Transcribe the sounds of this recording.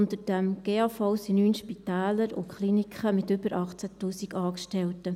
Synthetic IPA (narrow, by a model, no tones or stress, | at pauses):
ʊntəɾd̥ɛmɡ̥eːɑfaʊsinyːnʃpitæːləɾʊ̰kχlinikχəmɪtʏbəɾʔɑχt͡sætuːsikɑːkʃtɛltə